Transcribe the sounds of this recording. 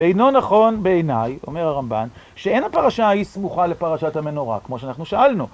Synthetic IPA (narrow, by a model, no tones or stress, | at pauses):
ejno̞naχo̞nbeenajo̞̰me̞ʁhaʁamban | ʃee̞jnapaʁaʃaismuχale̞paʁaʃathame̞no̞ʁa̰kmo̞ʃeanaχnuʃaʔalnu